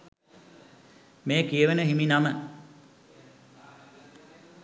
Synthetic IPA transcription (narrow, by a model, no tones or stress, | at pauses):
meːkijəʋenəɦiminamə